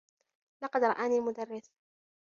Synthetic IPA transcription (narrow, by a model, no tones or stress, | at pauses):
lɑqɑd̪ɾˤɑ̰ʔaːniːmʊd̪arːɪθ